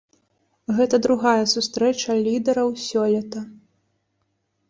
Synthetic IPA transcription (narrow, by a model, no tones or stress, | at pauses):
ɣɛt̪ɐd̪ɾuɣajɐsust̪ɾɛt͡ʂɐlʲid̪ɛɾɐwsʲɔlʲɛt̪ɐ